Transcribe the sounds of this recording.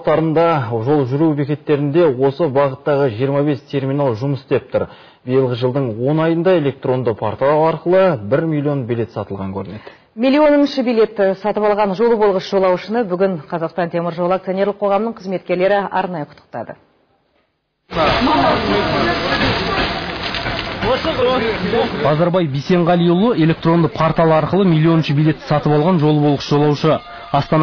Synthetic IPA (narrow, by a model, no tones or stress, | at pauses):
t̪ɑɾənd̪ɑʒo̞lˠʒʏɾube̞kʲe̞t̪ːe̞ɾɪnd̪e̞wo̞səbɑʁət̪ːɑʁəʒijəɾmɑβe̞st̪ʰe̞ɾmʲinalˠʒʊməsd̪ep̚t̪ʊɾ | bijəlˠʁəʒəlˠd̪əɴwo̞nɑjənd̪ɑe̞le̞k̚t̪ro̞nd̪əpʰoɾt̪wɑɾqəlˠəbɪɾmʲilʲːio̞nbilʲe̞t̪sɑt̪əlˠʁɑŋkʲʰɵɾɪne̞d̪ɪ | mʲilʲːio̞nənʃəbijle̞t̪ːɪsɑt̪əpɑlˠʁɑnʒo̞lˠəbolˠʁəsʒo̞lˠɑwʃənəbʏɡʲɪɴqʰɑzɑqst̪ɑnt̪ʰe̞mɪɾʒo̞lˠəakt̪sionʲe̞ɾlˠəqʰoʁɑmənəɴqʰəzme̞t̪̚kʲe̞ɾle̞ɾɪɑ̰ɾnɑjəqʰʊ̥t̪ːə̥q̚t̪ɑ̰d̪ə̰ | bɑzɑɾbɑjbijse̞ɴʁɑlijulˠəe̞lʲe̞k̚t̪ro̞nd̪əpʰoɾt̪ɑlˠəɑɾqəlˠəmʲijlʲːio̞nənʃəbilʲe̞t̪ːɪ̥sɑt̪əpɑlˠʁɑnʒo̞lˠəbolˠʁəsʒo̞lˠɑwʃə | ɑst̪ɑn